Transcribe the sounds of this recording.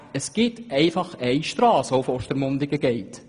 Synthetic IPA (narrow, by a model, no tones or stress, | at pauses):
əsɡ̥ɪtʔɛɪfɑχɛɪʃtɾɑːsofoʃtəɾmʊnd̪ɪɡəɡɛɪt